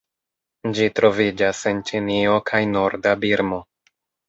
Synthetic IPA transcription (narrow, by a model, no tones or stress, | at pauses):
d͡ʒitɾo̞vid͡ʒase̞nt͡ʃinio̞kʰajno̞ɾdabiɾmo̞